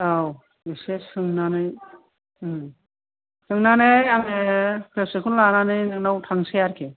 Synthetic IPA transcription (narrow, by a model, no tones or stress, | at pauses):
aw | besessɯŋnanɯj | sɯŋnanɯjaŋepʰesekʰunlananɯjnɯŋnawtʰaŋsejaɾkʰe